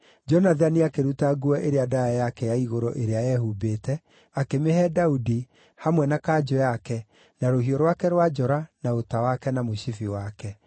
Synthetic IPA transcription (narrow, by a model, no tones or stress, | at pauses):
d͡ʒɔnaðaniakeɾutaɡuɛʔeɾeadaajakɛjaiɣoɾo̰ʔeɾeajɛhubeːtɛ | akemehɛdaudi | hamwɛnakad͡ʒɔjakɛ | naɾohiɔɾwakɛɾwad͡ʒɔɾanaotawakɛnamoɕifiwakɛ